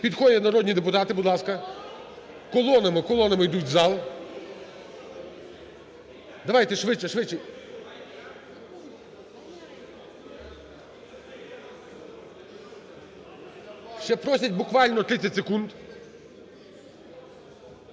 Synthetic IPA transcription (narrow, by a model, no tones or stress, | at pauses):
pʲid̪xɔdʲɐnɐɾɔd̪ʲnʲid̪epʊt̪ɑt̪ɪbʊd̪lˠɑskɐ | kɔlˠɔnɐmɪkɔlˠɔnɐmɪjd̪utʲzɑlˠ | d̪ɐʋɑjt̪ɛʃʋɪt͡ʃːɛʃʋɪt͡ʃɪ | ʃt͡ʃɛpɾɔsʲɐt̚ʲbʊkʋɑlʲnɔt̪ɾɪt͡sʲːɐtʲsekund̪